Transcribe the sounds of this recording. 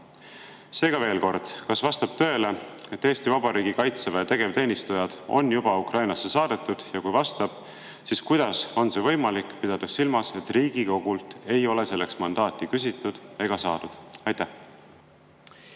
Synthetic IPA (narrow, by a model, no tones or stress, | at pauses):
se̞ːɡ̥ɑve̞ːlko̞rd̪̥kɑsvɑst̪ɑb̥̚t̪ø̞ːle̞e̞t̪ːe̞ːst̪ivɑbɑɾiːɡ̥ikɑjt̪sevet̪e̞ɡ̥e̞vt̪e̞ːnist̪ujɑd̪̥o̞̰njub̥ɑukrɑjnɑsːe̞sɑːd̪̥e̞t̪ːˑud̪̥jɑkujvɑst̪ɑb̥ | siskujd̪̥ɑso̞nsevɤ̞jmɑlikːˑpid̪̥ɑd̪̥ɑsilmɑse̞t̪ːˑriːɡ̥iko̞ɡ̥ult̪e̞jo̞le̞se̞lːe̞̰ksmɑnd̪̥ɑːt̪ːˑikys̬ʲit̪ːˑud̪̥e̞ɡ̥ɑsɑːd̪̥ud̪̥ɑjt̪ːæh